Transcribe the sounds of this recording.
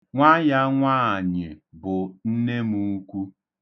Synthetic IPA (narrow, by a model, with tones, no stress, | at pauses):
ŋʷa˦ja˦ŋʷaː˦a˨ɲɪ˨bʊ˨n̩˦ne˦mu˦˨˦kʷu˦